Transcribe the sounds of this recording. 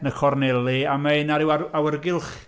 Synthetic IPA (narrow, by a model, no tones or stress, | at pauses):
nəkʰɔrnɛlˠiamaɨnaɾɪwaawərɡɪlˠχ